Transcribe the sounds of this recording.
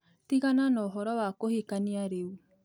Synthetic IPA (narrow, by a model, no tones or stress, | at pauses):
tiɣananɔɦɔɾɔwakohekaniaɾeu